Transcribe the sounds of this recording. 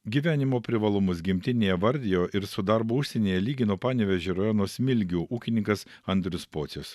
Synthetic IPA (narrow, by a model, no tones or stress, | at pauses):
ɡʲiːʋʲæːnʲɪmoːpʲɾʲɪʋɐlˠʊmʊs̬ɡʲɪmʲt̪ʲɪnʲeːjɛʋɐɾʲd̪ʲɪjoːʔɪɾsʊd̪ɐɾbuːʊʃʲsʲɛnʲeːjɛlʲiːɡʲɪnoːpɑːnʲɛʋʲɛʒʲeːɾɐjoːnoːsmʲɪlʲɡʲuːʔuːkʲɪnʲɪŋkɐs | ɐnʲd̪ʲɾʲʊspoːt̪sʲos